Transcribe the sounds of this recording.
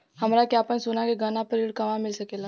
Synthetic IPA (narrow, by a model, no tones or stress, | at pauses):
hɐmɾakjaːpənsʊnakeɡɐnapəɾiːɽkɐmãmɪlsɐkeːla